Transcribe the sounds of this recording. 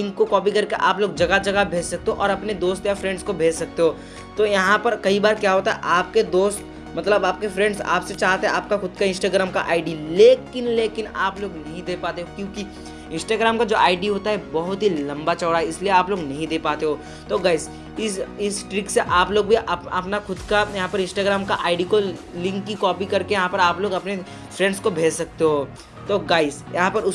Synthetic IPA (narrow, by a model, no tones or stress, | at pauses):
ɪ̃ŋkokɔːpikɐɾkeʔaːploːɡd͡ʒɐɡad͡ʒɐɡabʱeːd͡ʒsɐk̚t̪eɦõʔɔːɾɐpned̪oːst̪jafɾɛ̃ːɳɖskobʱeːd͡ʒsɐk̚t̪eɦoː | t̪oːjɐɦãpɐɾkɐibaːɾkjaɦoːt̪aɦɛʔaːp̚ked̪oːst̪ | mɐt̪ləbaːp̚kefɾɛ̃ːɳɖsa̰ːpset͡ʃaːɦt̪eɦɛ̃aːp̚kaxʊd̪̚kaɪ̃nsʈaːɡɾaːmka̰ʔaːɪɖileːkɪnleːkɪnaːploːɡnɐɦĩd̪eːpaːt̪eɦokjõːki | ɪ̃nsʈaːɡɾaːmkad͡ʒoːʔaːɪɖiɦoːt̪aɦɛbɐɦʊt̪ɦilɐ̃mbat͡ʃɐːɽaɦɛɪslieaːploːɡnɐɦĩd̪eːpaːt̪eɦoː | t̪oːɡaːɪs | ɪsɪsʈɾɪkseʔaːploːɡ̚bʱiʔɐɐ̰pnaxʊd̪kajɐɦãpɐɾɪ̃nsʈaːɡɾaːmkaʔaːɪɖiko | lɪ̃ŋkːikɔːpikɐɾkejɐɦãpɐɾaːploːɡɐpne | fɾɛ̃ːɳɖskobʱeːd͡ʒsɐk̚t̪eɦoː | t̪oːɡaːɪsjɐɦãpɐɾʊ